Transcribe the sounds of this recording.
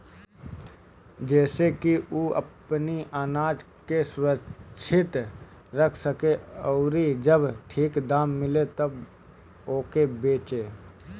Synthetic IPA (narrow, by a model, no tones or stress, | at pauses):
d͡ʒɛːsekiuːʔə̰pniʔaːnaːd͡ʒ | kesʊɾəʃʰɪt̪ | ɾəkʰsəkeoːɾid͡ʒəbʈʰiːkd̪aːmːɪlet̪ɐb | oːkebeːt͡ʃeː